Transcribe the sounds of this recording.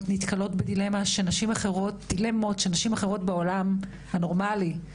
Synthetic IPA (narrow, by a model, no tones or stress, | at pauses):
tnitkalo̞tbedile̞maʃenaʃimaχeʁo̞t̚d̥ile̞mo̞tʃenaʃimaχeʁo̞tbeo̞lam | hano̞ʁmali